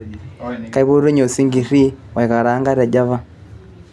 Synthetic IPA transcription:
ka˨i˦βo˦ɾu˦ɲo˨si˦ŋɡi˨ɾi˦we˨ka˨ɾaː˦ŋɡa˦ɾe˨ɟa˦βa˦

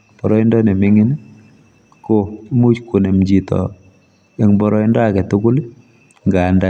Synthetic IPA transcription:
b̥ɔ˨ɾɔ˦i˦ndɔ˦nɛ˨mɪ˦ŋɪ˦n | ko˨˦mu˦t͡ʃko˨nɛ˨md͡ʒi˨tɔ̰˨ | ɛ˦ŋbɔ˦ɾɔ˦i˦ndɔ˦a˨kɛ˨tu˦kʊ˦l | ŋɡa˨nda˨

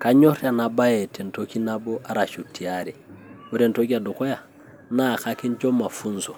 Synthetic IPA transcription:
kaɲo˦ɾja˨naba˦jete˨ntoki˦nabo˦ʔa˨ɾa˨ʃu˨tːi˨aɾiwoɾentoki˦a˨duko˦ja˨ | na˨kaki˦nt͡ʃo˦ma˨funso˨

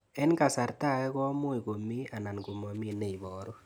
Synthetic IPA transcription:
ɛ˦nka˨sa˨ɾta˦˨kɛ˦kɔ˦mʊ˦i˨ko˨mi˦a˨na˨nku˨mɔ˨mi˦ne˨i˨bɔː˨ɾu˦

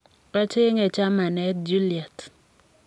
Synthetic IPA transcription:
ka˦t͡ʃɪ˦ŋɛ˨t͡ʃa˦ma˨nɛ˦t̚d͡ʒu˦li˨a˨t

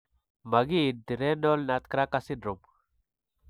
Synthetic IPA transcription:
ma˨ɡi˦˨di˨ɾe˦no˦lna˨t̪kɾa˦ka˦si˦dɾu˨m

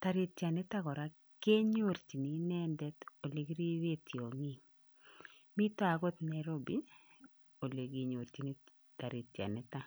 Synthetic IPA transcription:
ta˨ɾi˨tja˨nɛ˦ta˦kɔ˨ɾa˦ | ke˦ɲo˦˨ɾt͡ʃi˨ni˨nɛ˦ndɛ˦to˨le˨ɡɾi˦ɾe˦tjo˨ŋi˦ | mi˦tɔ˦a˨ɡo˦t̪nɛ˨ɾo˦bi˦ | o˨le˨ɡi˨˦ɲo˨ɾt͡ʃi˨˦ni˦ | ta˨ɾi˨tja̰˨nɛ˦ta˦

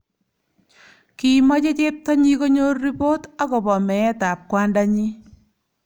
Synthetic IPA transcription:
ki˨mɔ˦t͡ʃe˦t͡ʃe˦p̚tɔ˦ɲi˦ko˦ɲo˦rːi˦po˦ta˦kɔ˨bɔ˨mɛ˨jɛ˦ta˨p̚kwa˦nda˦ɲi˦

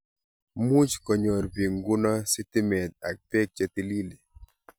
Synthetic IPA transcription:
mu˦t͡ʃkɔ˨ɲɔ˨ɾpi˨ŋɡʊ˦nɔ˦si˦ti˦mɛ˨t̪̚a˨k̚tɛ˦k̚t͡ʃa˦t̪i˦li˦li˨

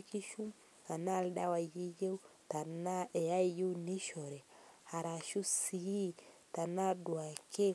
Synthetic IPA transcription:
ki˦ʃu˦m | a˨na˦˨lda˦wa˨je˦je˦u˦ta˨na˦ɛ˨a˦i˨je˦u˦ni˦ʃɔ˨ɾɛ˨ha˨ɾa˨ʃu˦si˨i˦ta˨na˦dwa˨kʰe˦

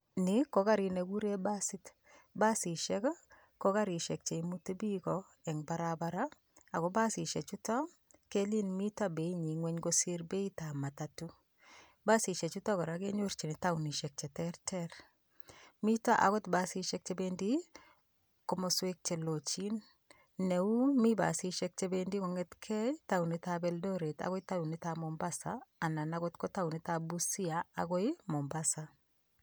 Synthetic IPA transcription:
nɪko˨˦ka˦ɾi˨ne˨ɡu˦ɾe˦ba˦sit | ba˦si˨ʃɛk | ko˦ka˦ɾi˨ʃɛ˨k̚t͡ʃe˨imu˦te˦bi˦kɔ | ɛ˨ŋba˦ɾabaɾa˦ | a˨kɔ˦ba˦si˨ʃɛ˨t͡ʃu˦tɔ˦ | ke˦li˦nmi˦ta˦be˨i˦ɲi˨ŋwɛ˦ɲɡo˦se˦ɾbe˦i˦ta˨ma˨tatu˦ | ba˦si˨ʃe˨t͡ʃu˦tɔ˦kɔ˨ɾa˨ke˦ɲo˦ɾt͡ʃi˨nɪ˨ta˦uni˨ʃɛ˨k̚t͡ʃɛ˨tɛrtʰɛɾ | mi˦ta˦ʔa̰˨ɣɔ˦tba˦si˦ʃɛk̚t͡ʃebendi˦ | kɔmɔswe˦k̚t͡ʃe˨lo˨t͡ʃin | nɛ˨u˦mi˦ba̰˨si˦ʃɛk̚t͡ʃe˦bendi˦kɔ˨ŋɛtkʰɛ˦ta˦u˨ni˨tabɛldɔɾe˨ta̰˨ɡɔ˦jta˦u˨ni˦tamɔmbasaː˨na˨naɡotkɔ˦ta˦u˨ni˦tabusi˦aa̰ɡɔ˦jmɔ˨mbasa˨

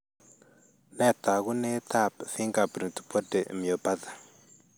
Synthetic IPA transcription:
nɛ˦˨t̪a˨ɣu˦ne˦t̪a˦˨pθi˦ŋɡa˨pɾi˨tpo˦de˨mi˨o˨pa˦ða˨

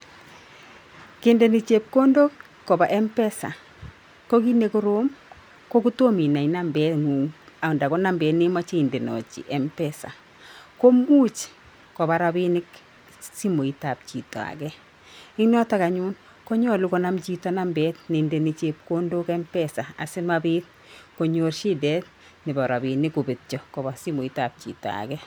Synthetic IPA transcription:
kɪ˨nde˨ni˨t͡ʃe˨p̚ko˦ndo˦kː | ɔ˨ba˨ʔɛ˦mpɛ˦sa̰˨ | ko˦ki˦ne˨ku˦ɾo˦m | kɔ˦ku˦to˦mi˨na˨i˨na˦mbɛ˨˦tŋu˨ŋa˨ʊ˨nda˨kɔ˦na˦mbɛ˨nɪ˦ma˦t͡ʃi˦˨nde˨nɔ̰˨t͡ʃḭ˨ʔɛ˦mpɛ˦sa̰˨ | ko˦mu˦t͡ʃ | kɔ˨ba˨ɾa˦bi˦nɪ˦k | si˦mo˨i˨ta˨p̚t͡ʃi˨tɔ̰˨a̰˨kɛ˦ | ɪ˦ŋnɔ˦ta˦ka˨ɲu˦n | ko˦ɲɔ˦lu˦kɔ˦na˦mt͡ʃi˦tɔ˦na˦mbɛ˦tni˨nde˨nit͡ʃep̚ko˦ndo˦kɛ˦mpɛsa˨a̰˨sɪ˦mabiː˦t̚ | ko˨ɲo˦rʃi˦dɛ˦t̚ | nɪ˨ba˨ɾa˨bi˨nɪ˦ku˨bi˨t̚t͡ʃɔ˨kɔ˨ba˨si˦mo˨i˦ta˨p̚t͡ʃḭ˨tɔ̰˨a̰˨kɛ˦

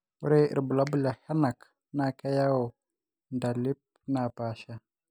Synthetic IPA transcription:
wu˦ɾe˦ḭ˨bu˨la˦bu˦la˨ha˦na˨k | na˨ka˦ja˦wo˨ | nda˨li˦p̚na˨pa˨ʃa˦

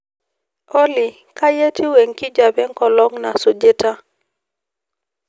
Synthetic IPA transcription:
o˦li˨ | ka˦je˦tʰi˦we˨ŋki˦d͡ʒa˨bɛ˦ŋkɔ˨lɔ˦ŋna˨so˨d͡ʒe˦ta˦

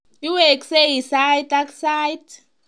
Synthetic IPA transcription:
ju˦wɛ˨kse˦ɦi˨sa˦jta˦ksajt

